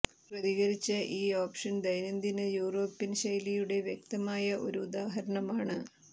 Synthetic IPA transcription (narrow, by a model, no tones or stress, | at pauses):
prɐðiɣɐɾit͡ɕːɐʔiːoːpʂɐnd̪ɐjnɐnd̪inɨjuːro̞ːpːinɕɐjlijuɽe̞ʋjek̚t̪ɐmaːjɐʔo̞̰ɾuːd̪aːɦɐɾɐɳɐmaːɳɨ